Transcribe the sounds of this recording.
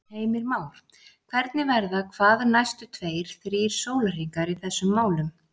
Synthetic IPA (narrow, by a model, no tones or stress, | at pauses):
heːjmɪɾmaːwl̥ | kʰvɛɾt̪nɪvɛɾðakʰvaːðnajst̪ʏt̪ʰveːjɾ̥θɾiːɾ̥soːwlariːkaɾiθɛsːʏmːaːwlʏm